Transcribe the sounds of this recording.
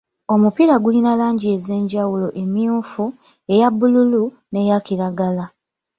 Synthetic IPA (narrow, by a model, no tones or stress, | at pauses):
o̞mupiɾaɡulinalaːɲɟie̞ze̞ːɲɟawulo̞ʔe̞miuːfu | e̞jabːululu | ne̞jakiɾaɡala